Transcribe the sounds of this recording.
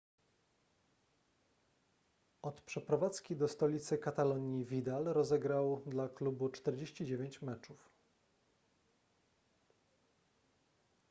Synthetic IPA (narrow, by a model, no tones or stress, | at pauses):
ɔt̪pʂɛpɾɔvat̪skʲid̪ɔst̪ɔlʲit̪sɘkat̪alɔɲivʲid̪alɾɔzɛɡɾawd̪laklubut͡ʂt̪ɛɾd͡ʑeɕt͡ɕid͡ʑevʲeɲt͡ɕmɛt͡ʂuf